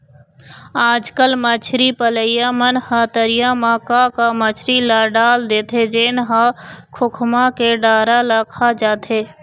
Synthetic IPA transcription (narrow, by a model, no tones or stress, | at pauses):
aːd͡ʒkəlmət͡ʃʰɾipələjjamənhət̪əɾɪjamãkakamət͡ʃʰɾilaɖaːld̪eːt̪ʰed͡ʒeːnɦakʰʊkʰmãkeɖaːɾaləkʰad͡ʒaːt̪ʰeː